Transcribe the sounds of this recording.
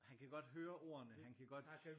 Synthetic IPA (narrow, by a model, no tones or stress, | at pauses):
hænkʰæɡ̥ɒ̽d̥ɦøːɐʔo̝̰ːɐ̰ɐnəhænkʰæɡ̥ɒ̽d̥